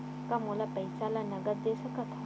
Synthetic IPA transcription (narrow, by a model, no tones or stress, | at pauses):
kamolapəjsalanɐɡət̪̚d̪esəkat̪ʰa